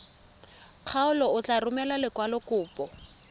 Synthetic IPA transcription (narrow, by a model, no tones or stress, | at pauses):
q͡χʰaʊlɔʊt͡ɬarʊmɛlalɪkwalɔkʊːpʼɔ